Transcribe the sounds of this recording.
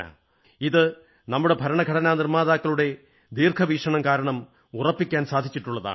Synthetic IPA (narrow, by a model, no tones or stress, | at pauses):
a̰ | iðɨ | nɐmːuɽe̞bʱɐɾɐɳɐɡʱɐɽɐnaːnirmaːðaːkːɐɭuɽe̞ | d̪iːrkʰɐʋiːʂɐɳɐmkaːɾɐɳɐm | urɐpːikʲːaːnsaːd̪ʱit͡ɕːiʈːuɭːɐða̰ː